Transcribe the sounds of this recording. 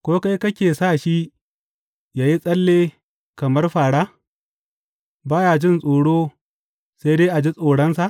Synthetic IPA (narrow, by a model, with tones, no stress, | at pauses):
kʷoː˦ka˦jkɐ˦kʲeː˨saː˦˨ʃi˦ | jaː˨ji˦sʼɐ˦lːeː˦ | kɐ˨mɐ˦rɸaː˨ɽaː˦ | baː˦jaː˨d͡ʒɪ˦nsʼoː˨ɽoː˦ | sa˦jdeː˦ʔa˨d͡ʒi˦sʼoː˨ɽɐ˦nsa˨ʔ